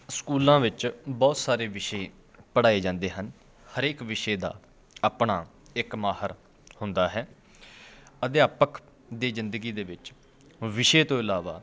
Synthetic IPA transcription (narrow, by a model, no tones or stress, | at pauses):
skuːlãːʋɪt͡ʃbɔːt̪saːɾeːʋɪʃeː | pəɽaːeːd͡ʒãːnd̪eːɦən | həɾeːkʋɪʃeːd̪a̰ː | aːpɳaː | ɪkmaːhəɾ | hʊnd̪aːɦɛː | əd̪eaːpəkʰ | d̪iːzɪnd̪əɡiːd̪eːʋɪt͡ʃ | ʋɪʃeːt̪õːɪlaːʋa̰ː